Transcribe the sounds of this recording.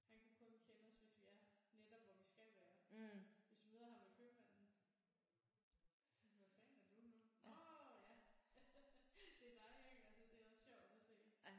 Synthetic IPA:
hænkʰækʰɔ̽nkʰenɒ̽sʋæsʋiæɐned̥ɒb̥ʋɒdisɡ̥æʋæːɐʋe̝sd̥umeðˠɐɦɑ̈ʋekʰømæn̰n̩ | ʋæfænæɐd̥unuojæ | d̥e̝æd̥ɑ̈ɪlileɡ̥ælsɐd̥e̝æɐɒ̽sɕɒʊ̰d̥æse̝̰ː

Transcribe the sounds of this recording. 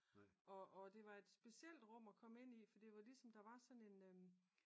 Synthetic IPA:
ɒ̽ʔːd̥e̝ʋɑ̈e̝d̥sb̥e̝siel̰d̥ʁɔ̽m̰ækʰɒ̽me̝n̰ifɒd̥iʋɑ̈lisɒ̽md̥ɑ̈ʋɑ̈sɒ̽ne̝nø

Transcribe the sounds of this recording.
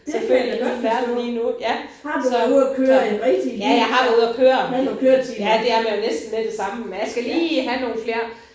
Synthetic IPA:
eføɐeɡ̥ɒd̥fæɐ̰d̥liːnujæ | ɑdsɒuðˠɐkʰøːɐenʁɛɡ̥d̥ijæjɑ̈ɪɦɑ̈d̥æuð̞ˠɐkʰøːɐkʰøɐijæd̥e̝æɐmæjonesd̥n̩med̥e̝sɑ̈məmenjɑsɡ̥æliːɦæno̝ːn̩fle̝ːɐ

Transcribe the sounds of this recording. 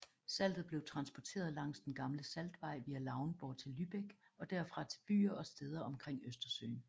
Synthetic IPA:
sæl̰d̥ð̩ˠb̥le̝ʊt͡sʰʁɑ̈nsb̥ɒt͡sʰe̝̰ːɐð̞ˠlɑ̈ŋ̰sd̥enɡ̥ɑ̈mləsæld̥ʋɑ̈ɪ̰ʋiːælɑ̈ʊnb̥ɒːt͡sʰe̝lːyb̥eɡ̥ɒ̽d̥æɐfʁɑ̈t͡sʰe̝b̥y̰ːɐʔɒ̽sd̥eːð̞ˠɐɒ̽mkʰʁeŋ̰øsd̥ɐsø̰ːn

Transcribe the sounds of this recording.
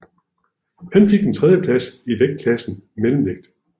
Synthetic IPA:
hænfe̝ɡ̥̚d̥ent͡sʰʁɛðˠjəpʰlæsiʋeɡ̥̚kʰlæsn̩melm̩ʋeɡ̥̚d̥

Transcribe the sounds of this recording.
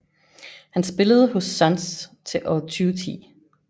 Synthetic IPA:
hænsb̥e̝ləð̞̩ˠəhɔ̽sːɑnst͡sʰe̝ʔɒt͡sʰyːʊt͡sʰḭː

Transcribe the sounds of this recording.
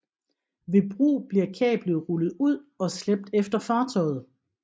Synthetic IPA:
ʋe̝b̥ʁṵːb̥liɐkʰɛ̰ːb̥ləʁulð̞̩ˠuð̰ˠɒ̽sleb̥̚d̥efd̥ɐfɑ̈ːt͡sʰɒ̽ɪð̞̩ˠ

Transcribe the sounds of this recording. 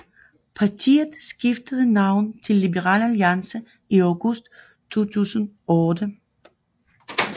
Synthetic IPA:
pʰɑ̈t͡sʰḭːð̩ˠsɡ̥ifd̥əðˠənɑ̈ʊ̰n̩t͡sʰe̝lːibəʁɑ̰̈ːlæljiɑ̈nsə | iaʊɡ̥ɔsd̥ | t͡sʰo̝̰ːt͡sʰṵːsənɔːd̥ə

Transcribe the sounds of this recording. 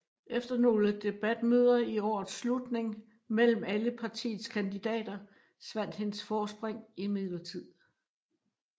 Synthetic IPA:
ʔefd̥ɐno̝ːləd̥e̝b̥æd̥̚møð̞ˠɐiɒ̰ːð̩ˠslud̥ne̝ŋ | mel̰m̩æləpʰɑ̈t͡sʰḭːð̩ˠskʰænd̥id̥ɛ̰ːd̥ɐ | sʋæn̰d̥he̝nəsfɒːsb̥ʁeŋimiðˠlɐt͡sʰið̰ˠ

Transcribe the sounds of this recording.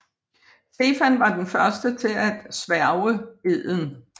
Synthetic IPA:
se̝ːfænʋɑ̈d̥enfɶɐsd̥ət͡sʰe̝læd̥sʋæɐʊəe̝ð̰ˠn̩

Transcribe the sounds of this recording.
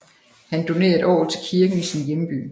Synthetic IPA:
hænd̥o̝ne̝̰ːɐe̝d̥ɒ̰ːð̩ˠt͡sʰe̝lkʰiɐɡ̥n̩isinjemb̥y̰ː

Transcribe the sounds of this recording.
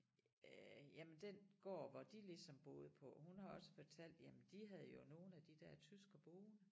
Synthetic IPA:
jæmənd̥enɡ̥ɒ̰ːʋɑ̈d̥ilisɒ̽mb̥o̝̰ːð̞̩ˠəpʰɒ̽hunhɑ̈ɒ̽sə̥fɒ̽t͡sʰæl̰d̥jæmənd̥iɦæð̞ˠjo̝no̝ːn̩æd̥id̥æɐt͡sʰysɡ̥əb̥oːnə

